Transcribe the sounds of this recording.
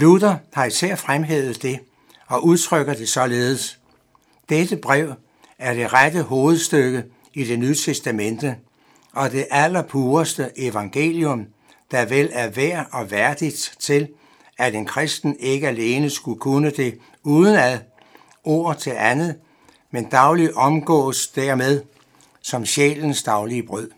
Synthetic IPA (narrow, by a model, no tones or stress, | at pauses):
lud̥ɐhɑ̈isɛɐ̰fʁamɦḛːð̩ˠd̥e̝ | ɒ̽ʔuð̞ˠt͡sʰʁœɡ̥ɐd̥e̝sɒ̽le̝ːð̩ˠəs | d̥ed̥əb̥ʁaʊ̰ | æɐd̥e̝ʁad̥əɦo̝ːð̞̩ˠsd̥øɡ̥ə | id̥e̝nyːət͡sʰesd̥æmen̰d̥ə | ɒ̽d̥e̝ʔælɐpʰuːɐsd̥əʔeʋɑ̈ŋɡ̥e̝̰ːljɔ̽m | d̥ɑʋel̰æɐʋæɐ̰ɒ̽ʋæɐd̥id̥t͡sʰe̝l | æɾ̥e̝nkʰʁɛsd̥n̩e̝ɡ̥əæle̝ːnəsɡ̥ukʰonəd̥e̝ | uːðˠn̩æðˠ | ʔo̝̰ːɐt͡sʰe̝lʔænð̩ˠ | mend̥ɑ̈ʊliʔɒ̽mɡ̥ɔ̰̽ːsd̥æɐ̰með̞ˠ | sɒ̽mɕḛːln̩sd̥ɑ̈ʊliəb̥ʁœð̰ˠ